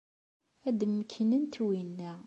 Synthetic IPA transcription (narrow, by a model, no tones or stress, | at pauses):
æd̪mːəkʰːənənt̪winːæ